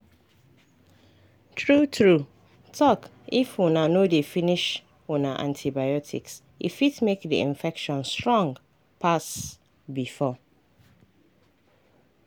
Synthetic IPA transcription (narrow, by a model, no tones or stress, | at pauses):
tʰɹutʰɹu | tʰɔk | ifwunãnodefĩniʃ | wunãʔã̰ntʰibajɔtʰḭks | ḭfitmekdḭḭ̃ɱfɛkʃɔ̃nstɹɔ̃ŋɡ | pʰas | bifɔ